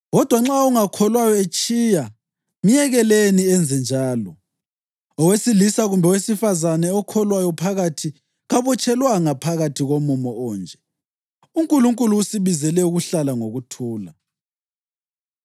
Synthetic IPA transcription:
ɣɔd̥ʱwaŋ͡ǁauŋakʰɔlwajɔet͡ʃʼiːja | mijɛɣɛleniɛnd͡zʱɛnd͡ʒʱaːlɔ | ɔwesilisaɣumbʱɛwesifazanɛɔkʰɔlwajɔpʰaɣatʰi | ɣaβɔt͡ʃʼɛlwaŋapʰaɣatʰiɣomumɔɔːnd͡ʒʱɛ | uŋkʼuluŋkʼuluːsiβizɛlɛuɣuɬalaŋoɣutʰuːla

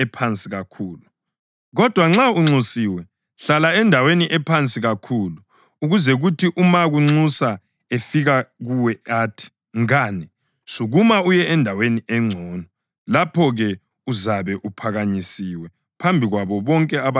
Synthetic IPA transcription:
ɛpʰant͡sʼiɣakʰuːlu | ɣɔd̥ʱwaŋ͡ǁauŋ͡ǀusiwɛ | ɬalaɛndʱaweniʔɛpʰant͡sʼiɣakʰuluː | ɣuzɛɣutʰiʔumaɣuŋ͡ǀusa | efiɣaɣuwɛaːtʰi̥ | ŋaːni | suɣumaujɛɛndʱaweniɛŋ͡ǀʱɔːnɔ | lapʰɔɣɛ | uzaβɛʔupʰaɣaɲisiwɛ | pʰambʱiɣwaβɔβɔŋkʼɛaβa

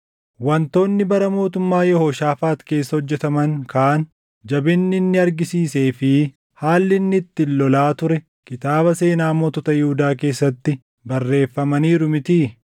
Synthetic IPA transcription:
wɐnt̪o̞ːnːɪbɐɾɐmo̞ːt̪ʊmːaːjɛhoːʃaːfaːt̪ke̞ːsːɐhɔd͡ʒːɛt̪ɐmɐŋkaːn | d͡ʒɐbɪnːɪnːɪɐɾɡɪsiːse̞ːfɪ | haːlːɪnːɪt̪ːɪlːɔlaːt̪ʊɾɛ | kɪt̪aːbɐse̞ːnaːmɔt̪ɔt̪ɐjɪhʊd̪aːke̞ːsːɐt̪ːɪ | bɐrːe̞ːfːɐmɐniːɾʊmɪt̪iː

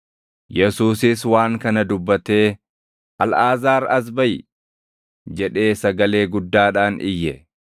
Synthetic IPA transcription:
jɛsuːsɪswaːŋkɐnɐd̪ʊbːɐt̪e̞ː | ʔɐlaːzaːɾɐs̬bɐjɪ | d͡ʒɛᶑe̞ːsɐɡɐle̞ːɡʊd̪ːaːᶑaːnɪ̰jːɛ

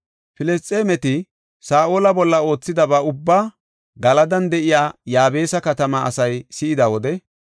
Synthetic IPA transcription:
fɪlɛst͡sʼːeːmɛt̪ɪ | saːʔoːlɐbɔlːɐo̞ːt͡sːɪd̪ɐbɐʊbːaː | ɡɐlɐd̪ɐnd̪ɛʔɪjaːjaːbe̞ːsɐkɐt̪ɐmɐɐ̰sɐjsɪɪd̪ɐwɔd̪ɛ

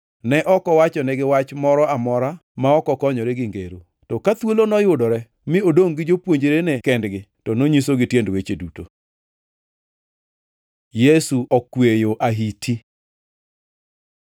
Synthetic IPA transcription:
nɛʔɔkɔwat͡ʃɔnɛɡɪwat͡ʃmɔɾɔamɔɾamaɔkɔkɔɲɔɾɛɡɪŋɡḛɾo̰ | tɔkat̪wolonɔjʊdɔɾɛ | mɪodoŋɡɪd͡ʒopwoɲd͡ʒeɾenɛkɛndɡɪ | tɔnoɲisoɡɪtjendwet͡ʃeduto | jesuʔɔkwejoʔaɦitʰi

